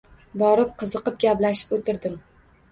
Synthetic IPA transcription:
bɒɾɪp̚qʰɨzɨqɨp̚ɡʲaplaʃɪ̥pot̪ʰɪɾd̪ɪm

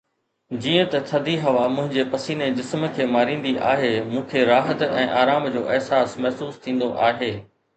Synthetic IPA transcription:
d͡ʑiːə̃t̪ɐt̪ʰɐd̪ʱiɦɐʋamʊ̃ɦɪ̃ɲd͡ʑepɐsiːned͡ʑɪsmə̆kʰeːmaːɾĩːn̆d̪iʔa̰ːɦeːmũːkʰeɾaːɦət̪ɛ̃ːʔaːɾaːmd͡ʑoːʔɪɦsaːsmɛɦsuːst̪ʰĩːn̆d̪oʔaːɦeː

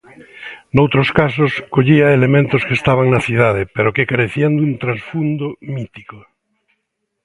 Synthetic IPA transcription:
nowt̪ɾoskasoskoʎiaelemẽnt̪oskest̪aβ̞aŋnaθið̞að̞epeɾokekaɾeθiand̪unt̪ɾasfund̪omit̪iko

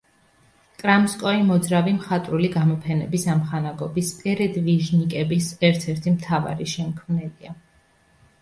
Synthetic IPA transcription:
kʼɾamskʼɔimɔd̪zɾavimχat̪ʼɾuliɡamɔpʰɛnɛbisamχanaɡɔbispʼɛɾɛd̪viʒnikʼɛbisɛɾt̪ʰɛɾt̪ʰimt̪ʰava̰ɾiʃɛmkʰmnɛlia

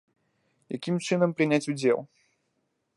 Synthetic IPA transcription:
ja̰kʲimt͡ʂɨnɐmpɾɨnʲat͡sʲud͡zʲɛ̰lˠ

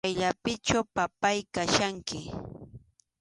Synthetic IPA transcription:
jʎapɪt͡ʃawpapajkaʃaŋkɪ

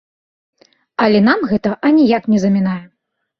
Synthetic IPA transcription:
ɐlʲɛn̪amɣɛt̪ɐʔɐnʲijaknʲɛzɐmʲɛnajɛ

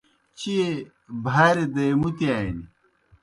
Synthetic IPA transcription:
t͡ɕie | bʱaːɾed̪ɐjmut̪iaːjinḭ

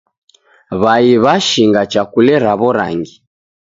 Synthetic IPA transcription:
βaiβaʃiŋɡat͡ʃakulɛɾaβɔɾa̰ŋɡi

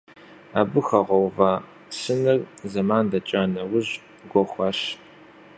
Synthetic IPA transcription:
aːbɨxɐʁʷɔwvaː | sɨnɨrzɐmaːndɐt͡ʃʼaːnɐwʊʑ | ɡʷɔxʷɑːɕ

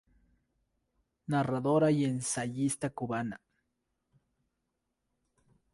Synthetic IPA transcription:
naraðoɾajensajist̪akʊβana̰

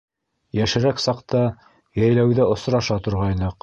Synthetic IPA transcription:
jæʃɘ̆ɾæksɑqt̪ɑ | jæjlæwðæŏsɾɑʃɑt̪ŏɾʁɑjnɤq

